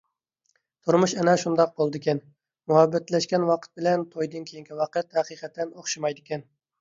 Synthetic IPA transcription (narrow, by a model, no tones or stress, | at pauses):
t̪ʰuɾmuʃɛnɛʃund̪ɑq̚bolˠɨd̪ɨkʲɛn | muhɛbːɛt̪lɛʃkʲɛnwɑqʰət̪̚bɪlɛnt̪ʰojd̪ɨnkʲʰejiŋkʲiwɑqət̪hæqiqʰɛt̪ːɛnoχʃɨmɑjd̪ɪkʲɛn